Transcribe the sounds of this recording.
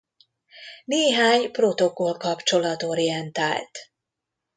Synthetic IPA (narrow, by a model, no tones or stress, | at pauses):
neːɦaːɲpro̞t̪o̞ko̞lkɒpt͡ʃo̞lɒt̪o̞ɾijɛnt̪a̰ːlt̪